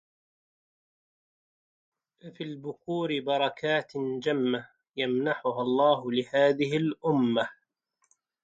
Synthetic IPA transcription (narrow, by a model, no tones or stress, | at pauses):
fafiːlbʊquːɾɪbɑɾˤɑkʰaːt̪d͡ʒamːa | jamnaħʊɦalˤːɑːɦʊlɪhaːðɪɦɪlʔʊmːa